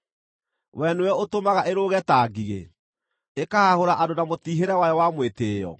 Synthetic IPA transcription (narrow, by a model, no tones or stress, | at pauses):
wɛnuwɛotomaɣaʔeɾoːɣɛtaːɡiɣḛ | ekahahoɾaʔadonamotiːɦeɾɛwajɔwamweteːjɔ̰